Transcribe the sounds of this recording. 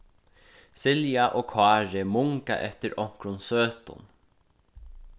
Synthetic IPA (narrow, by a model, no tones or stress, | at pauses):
sɪljaʔoːkʰɑːɹɪmʊŋka̰ʔɛt̪əɾɔŋ̥kɾʊnsøːt̪ʊ̰n